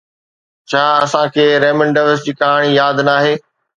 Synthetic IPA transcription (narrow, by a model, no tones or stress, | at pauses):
t͡ɕʰaːɐsãkʰeːɾeːmə̃ɳɖaɪʋəɾs̬ɪʈiːkaːɦɽ̃ijaːd̪naːɦeː